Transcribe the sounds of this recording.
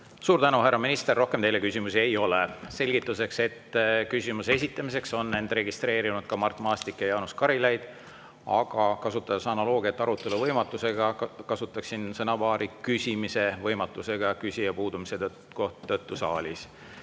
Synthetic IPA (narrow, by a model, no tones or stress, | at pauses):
suːɾt̪ænuɦærːɑminist̪erːo̞hke̞mt̪e̞jle̞kysʲimusie̞jo̞lese̞lʲɡ̥it̪ːˑuse̞kse̞t̪ːkysʲimuseesit̪ːˑɑmise̞kso̞nːe̞nd̪̥re̞ɡist̪ɾe̞ːɾinud̪̥̚kɑmɑrt̪ːˑmɑːst̪ikːjɑjɑːnuskɑɾilejd̪̥ | ɑɡ̥ɑkɑsut̪ːˑɑd̪̥ɑsɑnɑlo̞ːɡ̥iɑt̪ːˑɑɾut̪ːˑe̞luvɤjmɑt̪ːˑuse̞ɡ̥ɑkɑsut̪ːˑɑksinsɤnɑvɑːɾikysʲimise̞vɤjmɑt̪ːˑuse̞ɡ̥ɑkysʲijɑpuːd̪umise | koht̪ːɤt̪ːusɑ̰ːlʲis